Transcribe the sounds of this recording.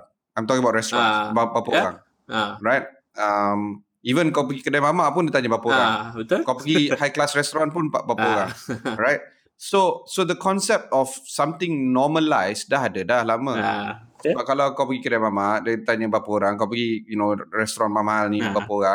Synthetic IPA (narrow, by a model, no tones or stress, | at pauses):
ãjmt̪ɔkiŋəbaʊt̚ɾɛst̪ɾɔ̃nbabapəɾaŋ | ɹajt̚ | am | ivə̃nkawpəɡikədajmamaʔpʊndət̪aɲəbapəoɾaŋkawpəɡihajklasɾɛst̪oɾɔ̃npʊnpa̰ʔbapəoɾaŋɹajt̚ | sosod̪əkʰɔ̃nsɛp̚tɔfsãmt̪ɪ̃ŋnɔməlajsdaɦadədahlaməsəbap̚kalawkawpəɡikədajmamaʔdədt̪aɲəbapəoɾaŋkawp̬əɡijunoɹɛst̪oɾɔnmamaalnibapəoɾaŋ